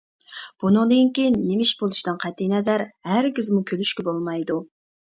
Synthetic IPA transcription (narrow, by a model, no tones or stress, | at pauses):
b̥unɨŋd̪ɨŋkʲijnːemɪʃbolˠuʃd̪ɨnqʰɛt̪ʰːijnɛzæɾhæɾɡʲizmukʲʰølyʃkʲɪbolˠmɑjd̪u